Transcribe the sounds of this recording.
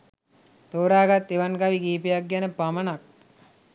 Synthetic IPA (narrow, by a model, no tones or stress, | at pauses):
t̪oːɾaːɡat̪ːeʋanɡaʋiɡiːpejak̚ɡænəpamənak̚